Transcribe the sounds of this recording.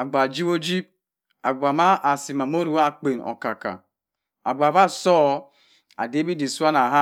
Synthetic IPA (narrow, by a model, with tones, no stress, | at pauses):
a˨ɡ͡ba˨d͡ʒi˦bo˦d͡ʒi˦p̚ | a˨ɡ͡ba˨ma˦ʔa˨si˨ma˨mo˦ɾu˦wa˦˨k͡pe˨nɔ̰˨ka˨ka̰˨ | a̰˨ɡ͡ba˨βa˦sɔ˦ | a̰˨de˦bi˦di˨su˦a˦na˨ɦa˦